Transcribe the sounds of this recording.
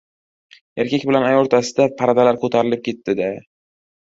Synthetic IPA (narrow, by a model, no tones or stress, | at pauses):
eɾkʲʰakʲbɪlanajoɾt̪ʰasɪd̪apʰaɾad̪alaɾkʰot̪ʰaɾɪlɪp̚kʲʰe̞t̪ːɪd̪e